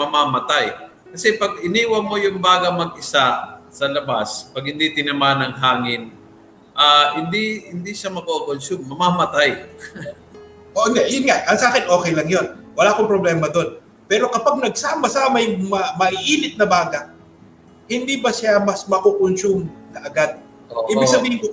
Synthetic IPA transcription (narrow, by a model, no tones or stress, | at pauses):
mɐmaːmɐt̪aj | kɐsɛpɐɡ̚ɪniːwɐmo̞jʊŋbaːɡɐmɐɡ̚ʔɪsasɐlɐba̰spɐɡ̚hɪnd̪it̪ɪnɐmanɐŋɦaːŋɪn | ʔaːhɪnd̪ihɪnd̪iʃamɐkokonsumːɐmaːmɐt̪aj | ʔoʔnd̪ɛʔjʊnŋaʔʔɐŋsaːkɪnʔo̞ːkɛjlɐŋjo̞nwɐlaːkoŋpɾoblɛːmɐd̪o̞n | pɛːɾo̞kɐpaɡ̚nɐɡ̚saːmɐsaːmɐjʊŋmɐmɐʔiʔiːnɪt̪̚nɐbaːɡɐ | hɪnd̪ibɐsamɐsmɐkokonsumnɐʔɐɡad̪̚ | oʔiːbɪɡ̚sɐbiːhɪŋko